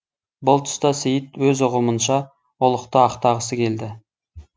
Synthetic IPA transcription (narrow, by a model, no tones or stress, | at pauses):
bʊlˠt̪ʰʊ̥st̪ɑsejət̪wɵzʊqəmənʃɑ | ʊlˠəqt̪əɑqt̪ɑʁəsəkʲʰe̞ld̪ɪ